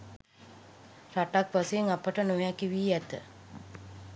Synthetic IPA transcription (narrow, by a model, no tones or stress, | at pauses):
raʈakʋaseeŋapəʈənojakiʋiːæt̪ə̰